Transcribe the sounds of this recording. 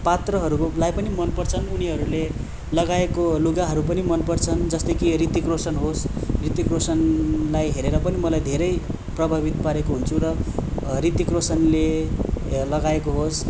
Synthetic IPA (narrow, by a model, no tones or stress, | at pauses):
pat̪rʌɦʌɾulajpʌnimʌnpʌrt͡sʰʌnuniɦʌɾule | lʌɡaekoluɡaɦʌɾup̬ʌnimʌnpʌrt͡sʰʌnd͡zʌst̪ʌjkirit̪ikrosʌnɦosrit̪ikrosʌnlajɦeɾeɾʌpʌnimʌlajd̪ʱeɾʌj | prʌbʱabit̪paɾekoɦunt͡sʰuɾʌ | rit̪ikrosʌnle | lʌɡaekoɦos